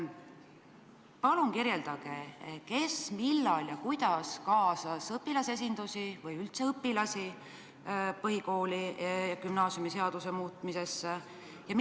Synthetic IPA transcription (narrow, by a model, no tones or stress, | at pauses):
pɑluŋkiɾje̞ld̪̥ɑɡ̥eke̞smilːɑljɑkujd̪̥ɑskɑːsɑsɤpːilɑse̞s̬ind̪̥usivɤjylt̪se̞ɤpːilɑsi | pɤɦiko̞ːlijɑkymnɑːsjumiseɑd̪̥usemuːt̪ˑmise̞sː | jɑm